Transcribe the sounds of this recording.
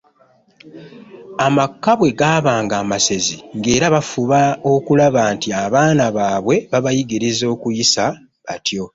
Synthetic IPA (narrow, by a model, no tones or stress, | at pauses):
amakːaβwe̞ɡaːβaːŋɡaːmase̞ziŋɡe̞ːɾaβafuβaokulaβaːntiaβaːnaβaːβwe̞βaβajiɡiɾizo̞ːkujisa | βatjo̞